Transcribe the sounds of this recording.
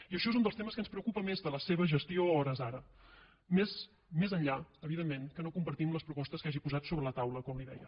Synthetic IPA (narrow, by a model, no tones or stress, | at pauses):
iəʃɔezund̪əst̪eməskənspɾəukupəmezðələseβ̞əʒəst̪ioɔɾəzaɾə | mes | mezənʎaəβiðemːeŋkənokumpəɾt̪imləspɾupɔst̪əskaʒipuzat̪soβɾələt̪awləkɔmliðɛ̰jə